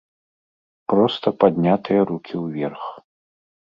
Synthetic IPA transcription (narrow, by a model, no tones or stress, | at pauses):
pɾɔst̪ɐpad̪ʲnʲat̪ɨjɐɾukʲʰiwvʲɛrx